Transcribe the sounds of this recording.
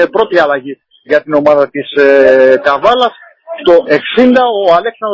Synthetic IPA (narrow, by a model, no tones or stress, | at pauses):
epɾo̞t̪iɐlɐʝi | ʝɐt̪ino̞mɐðɐt̪isekɐvɐlɐs | st̪o̞ʔe̞ksind̪ɐo̞ɐle̞ksɐnd̪